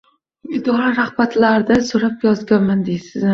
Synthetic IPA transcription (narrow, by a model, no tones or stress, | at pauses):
ɪd̪ɒɾaɾahbat̪laɾd̪asoɾapjɒzɡʲanmand̪ejsɪzɪ